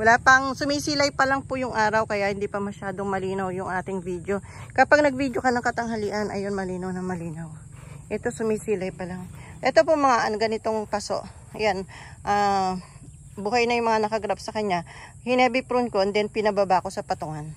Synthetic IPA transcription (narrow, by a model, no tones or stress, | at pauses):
wɐlaːpɐŋsʊmiːsilɐjpɐlɐŋpojʊŋʔaːɾɐwkɐjahɪnd̪ipɐmɐʃaːd̪o̞ŋmɐliːnɐwjʊŋʔaːt̪ɪŋvid̪jo̞kɐpaɡ̚nɐɡ̚viːd̪jokɐnɐŋkɐt̪ɐŋhɐliʔɐnʔɐ̰jonmɐliːnɐwnɐŋmɐliːnɐw | ʔɛt̪o̞sʊmisiːlɐjpɐlaŋʔɛt̪o̞pomɐŋaʔɐnɡɐnɪt̪o̞ŋpaso̞̰ʔ | janʔaː | buːhɐjnɐjʊŋmɐŋanɐkɐɡɾap̚sɐkɐɲːa | hɪnɛːbipɾʊnkoʔnd̪ɛnpɪnɐbabaʔko̞sɐpɐt̪ʊŋan